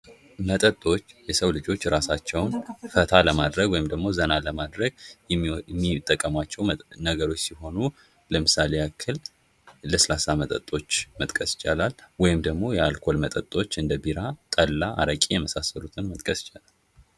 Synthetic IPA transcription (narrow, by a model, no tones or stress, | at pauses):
mət̪ʼət̪ʼːo̞t͡ʃːjɛsəwlɨd͡ʒo̞t͡ʃːɾasat͡ʃːɛwnfət̪ʰaləmad̪ɾəɡwɔjɪmd̪əɡmo̞zənaləmad̪ɾəɡ | mːit̪ʼːəkʼːəmat͡ʃːɛwnəɡəɾo̞t͡ʃːsiho̞nu | ləmɨsalejakʰːɨl | ləsəlasamət̪ʼə̰t̪ʼo̞t͡ʃːmət̪ʼkʼəsɪ̥t͡ʃʼalalwɔjɪmd̪əɡmo̞jɛalkʰo̞lmət̪ʼət̪ʼo̞t͡ʃːɨnd̪əbiɾat̪ʼəlːaʔa̰ɾəkʼijɛməsasəlut̪ʰɨnmət̪ʼkʼəsɪ̥t͡ʃʼalal